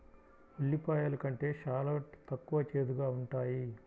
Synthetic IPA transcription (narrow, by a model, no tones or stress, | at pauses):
ulːipaːjaːlɐkɐɳʈe̞ːʃaːloːʈt̪ɐkːuʋɐt͡ʃeːd̪uɡaːuɳʈaːji